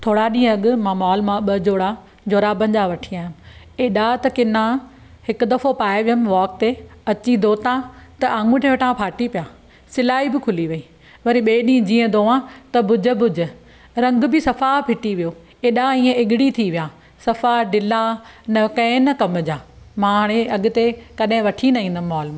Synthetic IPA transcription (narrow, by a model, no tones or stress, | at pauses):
t̪ʰoːɽaɗĩːɐɡʊmãːmaːlmãɓɐd͡ʑoːɽa | d͡ʑoːɾabɐ̃ɲd͡ʑaʋɐʈʰiaːɪmɪ | eːɗat̪ɐkɪnã | hɪkʊd̪ɐfʰopaːeʋɪjəmʋɔːk̚t̪eɐt͡ɕid̪oːt̪ãt̪ɐʔãːŋɡũʈ̪ʰẽʋɐʈʰãpʰaːʈipijaː | sɪlaːibɪkʰʊliʋɐiː | ʋɐɾiɓeːɗĩːd͡ʑĩːə̃d̪oːãt̪ɐbʊd͡ʑʱəbʊd͡ʑʱə̆ | ɾɐ̃ŋɡ̆bɪsɐfapʰɪʈiʋijo | eːɗãiːẽɪɠɪɽit̪ʰiʋijaː | sɐfaɖɪlanɐkɐ̃ɪ̃nɐkɐmd͡ʑaːmãːɽ̃ẽʔɐɡʊ̆t̪ekɐɗɦɪ̃ʋɐʈʰinɐĩːnd̪ən̆mɔːlmãː